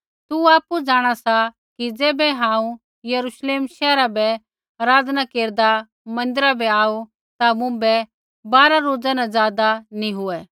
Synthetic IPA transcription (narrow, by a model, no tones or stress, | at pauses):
t̪uaːpud͡zaːɽ̃asa | kid͡zɛːbɛɦãːũ | jɐɾuʃleːmʃɛːɾabɛ | ɾaːd͡znakeːɾd̪a | mɐ̃nd̪ɪɾabɛaːu | t̪amʊ̃bɛ | baːɾaɾoːd͡zanãzjaːd̪anĩɦʊɛ